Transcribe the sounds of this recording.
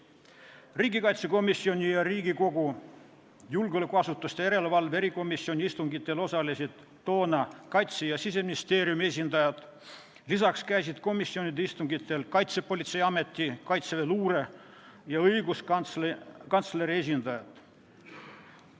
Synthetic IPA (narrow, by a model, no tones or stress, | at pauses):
riːɡikɑjt̪se̞ko̞misːio̞nʲijɑɾiːɡiko̞ɡu | julɡolukːˑuɑsut̪ːˑust̪ejeɾe̞levɑlveɾiko̞misːio̞nʲiist̪uŋɡit̪ːˑe̞lo̞sɑlisid̪̥ːo̞ːnɑkɑjt̪sejɑsise̞minist̪e̞ːɾjumie̞s̬ʲind̪̥ɑjɑd̪̥ | lisɑkskæjsid̪̥ko̞misːio̞nid̪eist̪uŋɡit̪ːˑe̞lkɑjt̪se̞po̞lʲit̪se̞jɑme̞t̪ːikɑjt̪seveluːɾe̞ | jɑɤjɡus | kɑnt̪sleɾie̞s̬ʲind̪̥ɑjɑt̪